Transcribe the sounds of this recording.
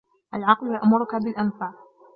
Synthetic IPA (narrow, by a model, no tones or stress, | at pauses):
ʔalʕɑqljaʔmʊɾʊkabɪlʔanfaːq